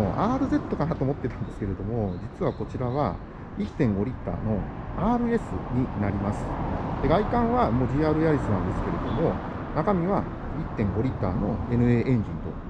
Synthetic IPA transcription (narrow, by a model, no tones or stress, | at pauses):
oʔaːɾɯ̟ze̞t̪ːo̞kanat̪oːmot̪ːe̞t̪ãnd̪esɨ̥ke̞ɾe̞d̪o̞mo̞d͡ʑit͡sɨβako̞t͡ɕiɾaβa̰ | it̪ːẽ̞ŋɡo̞ɾʲit̪ːa̰ːno̞aːɾɯ̟e̞sɨ̰ɲ̟inaɾʲimasɨ̥d̪̥e̞ɡaikãɰ̃βamo̞d͡ʑiːaːɾɯ̟jaɾʲisɨnãnd̪e̞sɨ̥ke̞ɾe̞d̪o̞mo̞ | nakamʲiβa | it̪ːẽ̞ŋɡo̞ɾʲit̪ːaːno̞e̞nɯ̟eːʔẽ̞ɲ̟d͡ʑĩnt̪o̞̰